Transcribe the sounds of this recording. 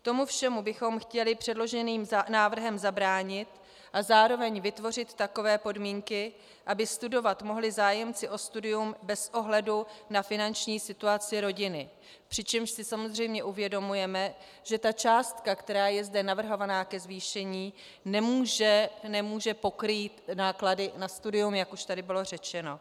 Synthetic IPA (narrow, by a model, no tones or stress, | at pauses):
t̪o̞mufʃɛmubɪxo̞mxcɛlɪpr̥ɛdlo̞ʒɛniːmnaːvr̩ɦɛmzabɾaːɲɪt̪ | ʔazaːɾo̞vɛɲvɪt̪vo̞r̝ɪt̪ːako̞vɛːpo̞dmiːŋkɪ | ʔabɪst̪udo̞vat̪mo̞ɦlɪzaːjɛmt͡sɪʔo̞st̪udɪjumbɛsʔo̞ɦlɛdunafɪnant͡ʃɲiːsɪt̪uat͡sɪɾo̞ɟɪnɪ | pr̥ɪt͡ʃɛmʃsɪsamo̞zr̝ɛjmɲɛʔuvjɛdo̞mujɛmɛ | ʒ̥ɛt̪at͡ʃaːst̪kakt̪ɛɾaːjɛzdɛnavr̩ɦo̞vanaːkɛzviːʃɛɲiː | nɛmuːʒɛnɛmuːʒɛpo̞kɾiːt̪naːkladɪnast̪udɪjumjakuʃt̪adɪbɪlo̞r̝ɛt͡ʃɛno̞